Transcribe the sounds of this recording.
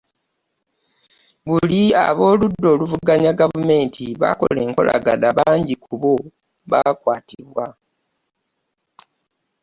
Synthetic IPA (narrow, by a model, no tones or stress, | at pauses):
βulia̰βo̞ːludːo̞ːluvuɡaɲaɡavume̞ːntʰiβa̰ko̞̰le̞ːŋko̞̰lʔa̰ɡanaβaːɲɟikʰuβo | βakwaːtiβwa